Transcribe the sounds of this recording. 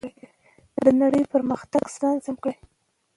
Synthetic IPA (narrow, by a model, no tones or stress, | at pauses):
d̪ənaɽəjpəɾməxt̪aɡslɑnzamkɽaj